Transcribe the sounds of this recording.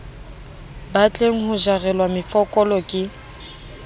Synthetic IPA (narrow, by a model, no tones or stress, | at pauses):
bat͡ɬʼeŋ̩hʊʒarɛlwamɪfɔkʼɔlɔkʼɪ